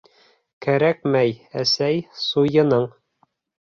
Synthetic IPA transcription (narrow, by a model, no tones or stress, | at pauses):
kæɾæk̚mæjæsæjsujɤ̆nɤɴ